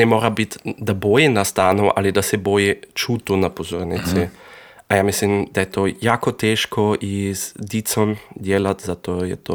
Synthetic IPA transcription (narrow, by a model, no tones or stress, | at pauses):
nɛmoːɾabit̪d̪aboːjinast̪aːnɔʔa̰lid̪asɛbojit͡ʃuːt̪unapozoːɾnit̪sɛ | ajamislimd̪ajɛt̪ojaːkot̪ɛʃkɔʔizd̪it̪sɔmd̪jeːlat̪zat̪oːjɛ̰t̪o